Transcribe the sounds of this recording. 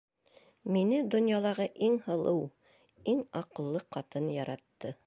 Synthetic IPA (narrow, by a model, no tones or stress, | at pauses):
minɘd̪ŏnjɑlˠɑʁɤʔiŋhɤ̆lˠɤw | iŋɑqɤ̆lˠːɤqɑt̪ɤnjɑɾɑt̪ːɤ